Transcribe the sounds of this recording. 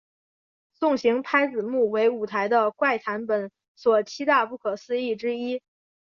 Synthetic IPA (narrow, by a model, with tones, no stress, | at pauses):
sʊ˥˩ŋɕi˧˥ŋpʰa˥ɪt͡sɹ̩˨˩mu˥˩we˧˥ɪu˨˩t̪ʰa˧˥ɪd̪ə˧kwa˥˩ɪt̪ʰa˧˥npə˨˩˥n | swɔ˨˩t͡ɕʰi˥t̪a˥˧pu˥˩kʰɤ˨˩sɹ̩˥˧i˥˩ʈ͡ʂɻ̩˥i˥